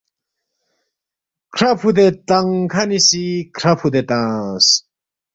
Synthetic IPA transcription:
kʰɾɐpʰud̪et̪ɐŋkʰɐnisikʰɾɐpʰud̪et̪ãs

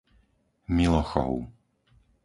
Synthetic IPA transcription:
milˠɔxɔ̰wʊ

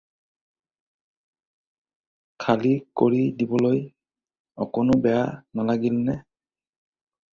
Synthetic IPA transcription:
kʰalikoɹidibɔloj | ɔkonobɛjanalaɡilnɛ

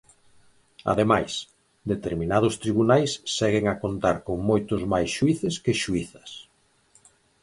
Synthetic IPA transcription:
a̰ðemajs | d̪et̪eɾminað̞ʊst̪ɾiβunajsːɛɣɪŋakont̪aɾkoŋmojt̪ʊzmajsʃuiθɪskɪʃuiθɐ̥s

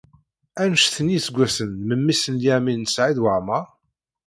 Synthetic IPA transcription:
ænʃθənisəɡʷːæsənməmːisənjæminəsʕiðwəʕma

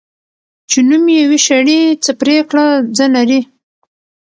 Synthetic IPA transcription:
t͡ʃenumjawiʃaɽit͡səpɾekɽad͡zənaɾi

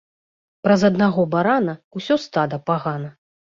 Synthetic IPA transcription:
pɾɐzɐd̪naɣɔbaɾanɐusʲɔst̪ad̪ɐpaɣanɐ

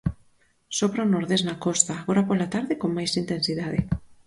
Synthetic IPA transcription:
sopɾanoɾðeznakɔst̪aːɣoɾapolat̪aɾðɪkoŋmajsint̪ensiðaðɪ

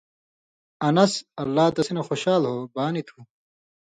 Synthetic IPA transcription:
ɐnɐsɐlːaːt̪ɐsinɐxoɕaːlɦoːbaːnit̪ʰuː

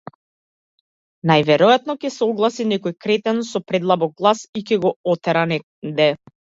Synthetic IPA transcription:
najvɛɾɔjat̪nɔcɛsɛɔɡlˠasinɛkɔjkɾɛt̪ɛnsɔpɾɛd̪lˠabɔɡ̚ɡlˠasicɛɡɔɔt̪ɛɾanɛ | d̪ɛ

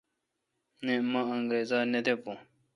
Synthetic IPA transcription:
nẽmɐ̃ɐŋɡɾeːzaːɾned̪epõː

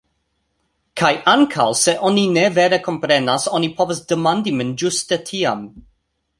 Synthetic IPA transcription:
kʰajʔaŋkʰalˠsɛʔɔninɛvɛɾɛkʰɔmpɾɛnasɔnipʰɔvəsd̥əmandimənd͡ʒʊstətʰiam

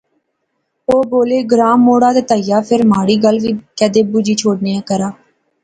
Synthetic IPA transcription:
oːboːleːɡɾaːmːoːɽaːd̪eːt̪aːɪjaːpʰɪɾmaːɽiːɡəlʋiːkɛːd̪eːbuːd͡ʒiːt͡ʃʰoːɽneːãːkəɾaː

